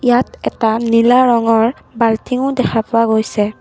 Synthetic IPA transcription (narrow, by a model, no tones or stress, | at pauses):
ijatɛtanilaɹɔŋɔɹ | baltiŋʊdɛkʰapʊwaɡojsɛ